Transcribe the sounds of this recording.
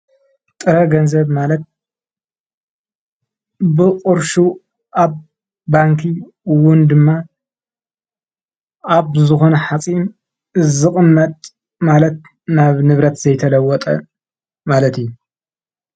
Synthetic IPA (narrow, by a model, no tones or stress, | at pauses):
t̪ʼɨɾɐɡɐnzɐβmalɐt̪̚ | bɨqʼʊɾʃu | ʔaβː | aŋkʰi | wʊnd̪ɨmːa | aβzɨxo̞nɐħat͡sʼin | ɨzɨχʼɨmːɐt̪ʼ | malɐt̪̚ | naβnɨβɾɐt̪z̥ɐjt̪ʰɐlɐwːɔt̪ʼɐ̰ | malɐt̪ijːu